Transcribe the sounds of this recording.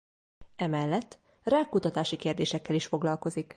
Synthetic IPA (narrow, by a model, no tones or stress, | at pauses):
ɛmɛlːɛt̪ː | raːkːut̪ɒt̪aːʃikeːrd̪eːʃɛkːɛliʃfo̞ɡlɒlko̞zik